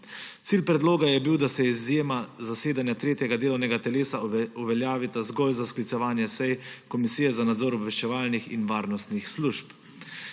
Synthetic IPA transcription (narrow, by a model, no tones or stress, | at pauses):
t̪siːlpɾɛd̪loːɡajɛbiwd̪asɛizjeːmazaseːd̪anjat̪ɾeːt̪jɛɡad̪eːlɔwnɛɡat̪ɛleːsauʋɛljaːʋit̪azɡɔjzasklit̪sɛʋaːnjɛsɛjkɔmisiːjɛzanad̪zɔːɾɔbʋɛʃt͡ʃɛʋaːlnixḭnʋaːɾnɔst̪nixsluʃp